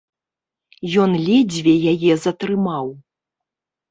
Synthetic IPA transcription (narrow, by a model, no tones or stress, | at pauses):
jɔnlʲɛd͡zʲvʲɛjajɛzɐt̪ɾɨmaw